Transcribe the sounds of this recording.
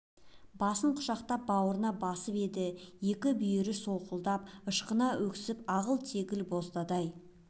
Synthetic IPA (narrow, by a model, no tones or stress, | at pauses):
bɑsəɴqʰʊ̥ʃɑqt̪ɑp̚bɑwəɾənɑbɑsəpe̞d̪ɪje̞kʲɪbʏjeɾɪso̞qəlˠd̪ɑp̚əʃqənɑwʔɵksɪpɑʁəlˠt̪ʰe̞ɡʲɪlbo̞st̪ɑd̪ɑj